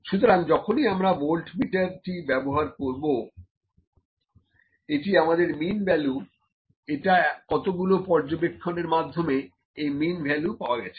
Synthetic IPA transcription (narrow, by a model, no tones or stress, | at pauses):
ʃut̪oɾaŋd͡ʑɔkʰoniamɾabolʈmiʈaɾʈibɛboɦaɾkoɾbo | eʈiamad̪eɾminbʱɛlu | eʈakɔt̪oɡulopɔɾd͡ʑobekʰːoneɾmad̪ʱːome | ejminbʱɛlupaoaɡɛt͡ɕʰe̥